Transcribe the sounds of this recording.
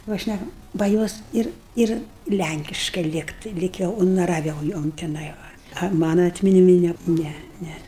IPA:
ˈʋɐ ˈʃʲnʲækɐm bɐ ˈjoːs ˈɪr ˈɪr ˈlʲæŋʲkʲɪʃkɐɪ ˈlʲiːktɐɪ ˈlʲiːk jɛʊ ʊnɐrɐˈʋʲɛʊ ˈjoːm tʲɪˈnɐɪ ʋɐ ɐ ˈmɑːnɐ ɐtʲmʲɪnʲɪˈmʲɪ ˈnʲɛ ˈnʲɛ ˈnʲɛ

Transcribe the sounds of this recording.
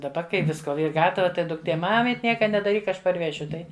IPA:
dɐˈbɐ kɐɪ ˈʋʲɪskoː ˈiːr ˈɡɑːtɐʋɐ ˈtɐɪ dʊkˈtʲeː ˈmɑːmʲɪtʲ ˈnʲiɛkɐ nʲɛdɐˈrʲiːk ˈɐʃ pɐrʲˈʋʲæːʃʲʊ ˈtɐɪ

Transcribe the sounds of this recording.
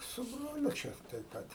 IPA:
sʊ ˈbroːlʲʊ ˈt͡ʃʲɛ tɐɪ ˈpɐt

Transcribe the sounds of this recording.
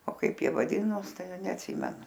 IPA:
oː ˈkɐɪp ˈjiɛ ʋɐˈdʲɪnoːs ˈtɐɪ nʲɛɐtʲˈsʲɪmʲɛnʊ

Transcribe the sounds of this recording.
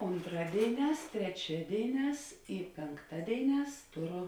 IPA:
oːnˈtrɑːdʲeːɪˌnʲɛːs tʲrʲɛˈt͡ʃʲæːdʲeːɪˌnʲɛːs ɪ pʲeːŋˈktɑːdʲeːɪˌnʲɛːs ˈtoːˌrʊ

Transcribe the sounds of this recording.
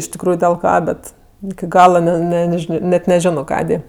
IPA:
ɪʃ tʲɪkˈruːjʊ dʲɪlˠ ˈkɑː ˈbʲɛt ɪkʲɪ ˈɡɑːlˠɐ ˈnʲɛ ˈnʲɛ nʲɛˈʒʲɪnoː nʲɛt nʲɛˈʒʲɪnoː ˈkɑːdʲeː

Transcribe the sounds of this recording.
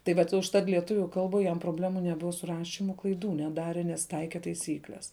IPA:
tɐɪ ˈʋɐt ʊʃˈtɐt lʲiɛˈtʊʋʲʊ ˈkɐlˠbuɔj jɛm proːˈbʲlʲæːmuː nʲɛˈbʊʋɐ sʊ ˈrɑːʃʲɪmʊ klˠɐɪˈduː nʲɛˈdɑːrʲɛ nʲɛs ˈtɐɪkʲɛ tɐɪˈsʲiːklʲɛs

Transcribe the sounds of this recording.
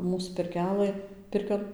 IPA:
ˈmuːs pʲɪrʲˈkʲæːlˠɘ ˈpʲɪrʲkʲoːn

